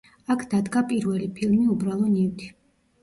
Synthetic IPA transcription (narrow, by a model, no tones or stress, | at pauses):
akʰd̪̥ad̪ɡapʼiɾvɛlipʰilˠmiubɾalˠɔniwt̪ʰi̥